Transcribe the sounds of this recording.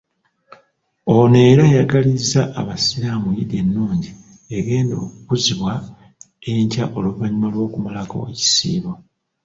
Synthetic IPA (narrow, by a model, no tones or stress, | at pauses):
one̞ːɾajaɡalizːaʔːβasiɾamujidje̞nːuːɲɟi | eɡe̞ːndo̞ːkukuziβwa | eɲcaʔo̞luvaɲumalwo̞ːkumalako̞̰ci̥sḭːβo